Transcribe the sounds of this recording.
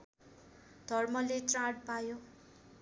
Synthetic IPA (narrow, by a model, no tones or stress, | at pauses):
d̪̥ʱʌrmʌletraʈ̚pajo